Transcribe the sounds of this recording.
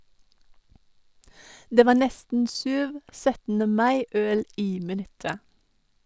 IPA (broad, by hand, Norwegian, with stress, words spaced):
ˈdeː ˈʋɑː ˈnɛstn̩ ˈsʉːʋ ˈsœtn̩ə ˈmɑɪ ˈœl ˈiː mɪˈnʉtə